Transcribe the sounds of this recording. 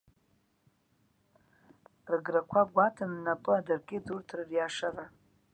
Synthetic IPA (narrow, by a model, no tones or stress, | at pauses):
rɡrakʷʰaɡʷatʰanːapʼɨadarɡʲɪdurtʰrrjaʂara